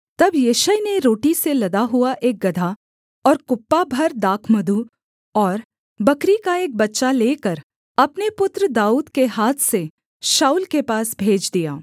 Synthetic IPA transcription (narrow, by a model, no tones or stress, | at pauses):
t̪ɐbjeʃəjneɾoːʈiselɐd̪aɦuaʔeːk̚ɡɐd̪ʱa | ɔːɾkʊpːabʱɐɾd̪aːkʰməd̪ʱu | ɔːɾ | bɐkɾikaeːk̚bɐtːʃaleːkəɾ | ɐpnepʊt̪ɾəd̪aːuːd̪keɦaːt̪ʰse | ʃaːuːlkepaːsbʱeːd͡ʒd̪ijaː